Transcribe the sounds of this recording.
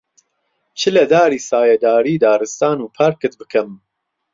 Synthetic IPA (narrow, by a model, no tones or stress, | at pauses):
t͡ʃʰɨlɐd̪aːɾiːsaːjɐd̪aːɾiːd̪aːɾɨst̪aːnuːpʰaːɾkɨt̪̚bɨkʰɐm